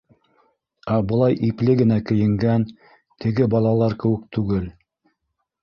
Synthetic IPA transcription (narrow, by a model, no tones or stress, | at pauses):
æbɤ̆lˠɑjʔiplɘɡɘ̆nækɘ̆jɘ̆ŋɡæn | t̪ʰɘ̆ɡɘbɑlˠɑlˠɑɾkɘ̆wɘ̆k̚t̪ʉɡɘl